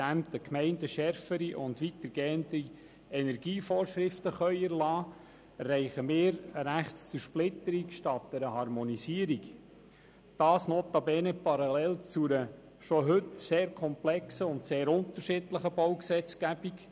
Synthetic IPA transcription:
æmtəkmɛɪndəʃɛɾfəɾiʔʊndʋitəɾɡ̥eːənti | ɛnɛɾɡ̥iːfoːɾʃɾɪftəχœʏɛɾlɑː | ɛrːɛɪχəmɪːɾɾæχtst͡suɾʃplɪtəɾikʃtɑt̚d̥ɛɾəhɑɾmɔnisiːəɾik | d̥ɑːsnoːt̪ɑbeːnəpɑɾɑlɛlt͡sunə | ʃɔɦɵtseːɾkʰɔmplɛksəʊntseːɾʊnt̪əɾʃɪdləχəb̥ɔwksɛt͡sɡ̥æb̥ik

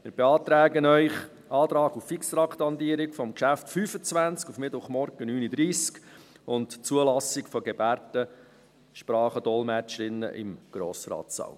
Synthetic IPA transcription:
mɪːɾb̥ɛɑːt̪ɾæːɡənœʏχ | ɑːt̪ɾɑːɡufiksɾɑkt̪ɑnd̪iəɾɪkfɔmkʃæftfyːfət͡sʋænt͡skufmɪtʋʊχmɔɾɡ̥ənyːnid̪ɾiːsk | ʊntt͡suəlɑsɪkfɔɡɛbæːɾtə | ʃpɾɑːχəd̥ɔlmæt͡ʃəɾɪnːə̰ʔɪ̰mɡ̥ɾɔːsɾɑ̰ːtsɑ̰l

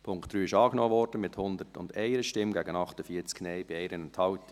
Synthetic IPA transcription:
pʰʊŋktd̥ɾyːɪʃɑːɡ̥nɔːvɔɾd̥ən̩mɪthʊnd̪ətʊ̰ndɛɪɾəʃtɪmɡæːɡənɑχtəfiːət͡sknɛɪb̥iɛɪɾənɛntʰhɑʊt

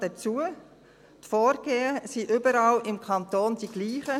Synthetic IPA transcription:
d̥ɛt͡suə | tfɔːɾɡ̥eːəsiʔʏbəɾɑlɪmkʰɑnt̪oːnd̥iɡ̥liːχə

